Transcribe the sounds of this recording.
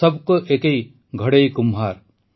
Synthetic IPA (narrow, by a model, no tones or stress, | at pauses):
ʌbkoʔekej | ɡʱɐɽejkumɦaːɾ